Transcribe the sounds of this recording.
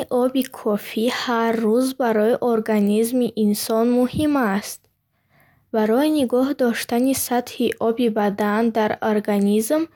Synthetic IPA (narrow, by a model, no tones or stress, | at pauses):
ʔɔbikʰɔfiharːuzbaɾɔiʔoɾɡanizmiʔːnsɔnmuhimast̪ | baɾɔiniɡɔhd̪ɔʃt̪anisat̪hiʔɔbibad̪and̪aɾoɾɡanizm